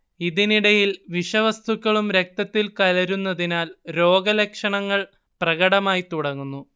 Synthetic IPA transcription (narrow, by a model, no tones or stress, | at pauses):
iðiniɽɐjilʋiʂɐʋɐst̪ʰukːɐɭumɾe̞k̚t̪ɐt̪ːilkɐlɐɾunːɐðinaːlɾo̞ːɡɐlekʂɐɳɐŋːɐɭ | prɐɣɐɽɐmaːjit̪uɽɐŋːunːu